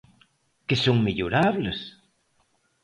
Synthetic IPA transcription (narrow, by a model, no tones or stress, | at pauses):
kesõŋmeʎoɾaβles